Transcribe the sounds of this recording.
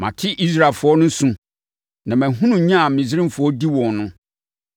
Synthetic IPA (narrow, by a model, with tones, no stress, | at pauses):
mã̰˨tʰɪ˦ʔi˦s̬ɾa˦˨lfʊ˨˦ɔ˦nʊ̃˦sũ˦ | nã˨mæ̃˨ɦũ˦nũ˨ɲã˦a˨mĩ˨zɪ˦ɾɪ̃˦mfʊ˨ɔ˦di˦wɔ̃˨nnʊ̃˦